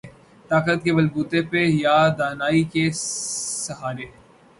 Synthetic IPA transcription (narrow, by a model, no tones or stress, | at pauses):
t̪aːkət̪kemɐlbuːt̪epejaːd̪aːnaːike | sɐɦaːɾe